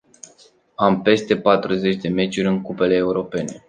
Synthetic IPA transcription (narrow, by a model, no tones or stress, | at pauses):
ampe̞st̪e̞pat̪ɾuze̞t͡ʃʲd̪e̞me̞t͡ʃʲuɾʲɨŋkupe̞le̞ːuɾo̞pe̞ne̞